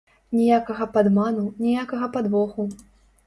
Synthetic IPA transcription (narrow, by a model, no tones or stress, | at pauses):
nʲɛjakɐɣɐpad̪manunʲijakɐɣɐpad̪vɔxu